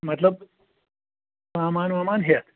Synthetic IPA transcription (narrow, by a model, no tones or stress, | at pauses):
mɐt̪ləb̚ | maːmaːnmaːmaːnɦjet̪